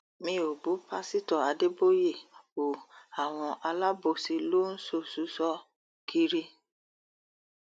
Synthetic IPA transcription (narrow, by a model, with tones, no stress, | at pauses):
mĩ˧˦o˨bu˨˦pa˦si˦tɔ˨a˧de˦bo˦je˦˨o˨a˨w̃ɔ̃˧ʔa˧la˦bo˦˨si˨˧lo˦n̩˦so˦˨su˨˦sɔ˦ | kʰi˧ɾi˦